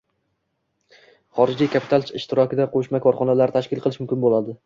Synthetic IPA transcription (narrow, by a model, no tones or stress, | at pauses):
χɒɾɪd͡ʒijkʲʰapʰi̥t̪ʰalˠt͡ʃɪʃt̪ɪɾɒkʲɪd̪aqʰoʃmakʰɒɾχɒnalaɾɪt̪ʰaʃkʲɪlˠqʰɨlˠɪʃmʊmkʲɪnbolad̪ɪ